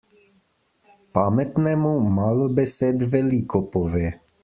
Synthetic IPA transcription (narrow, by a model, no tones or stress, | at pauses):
pamɛt̪nɛːmumalɔbɛsɛd̪vɛlikɔpɔvɛ